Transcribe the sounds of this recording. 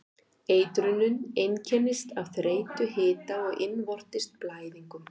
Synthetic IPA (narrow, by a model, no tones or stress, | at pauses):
eːjt̪ɾʏnːʏnejncʰɛnːɪst̪avθɾeːjt̪ʏɦɪːt̪aɔɣʔɪnvɔr̥t̪ɪst̪̚plaːjðiŋkʏm